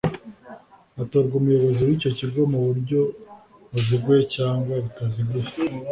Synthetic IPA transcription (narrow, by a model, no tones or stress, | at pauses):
atoɾɡumujo̞βo̞ziwiːco̞ciɡo̞muβuɾɟo̞ | uziɡwecaːŋɡwaɾitaziɡwe